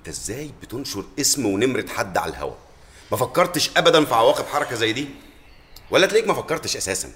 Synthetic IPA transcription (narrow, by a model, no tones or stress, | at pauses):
ʔt̪æʔezːæːjbet̪onʃoɾʔesmwenemɾed̪ħad̪ːʕa̰læ̰lhɦæ̰wæ̰ | mæfækːɑɾˤt̪ʃʔæbæd̪ænfiʕawæːqebħɑɾˤɑkæzæjːd̪iː | wælːæt̪leːkmæfækːɑɾˤt̪eʃʔæsæːsæ̰n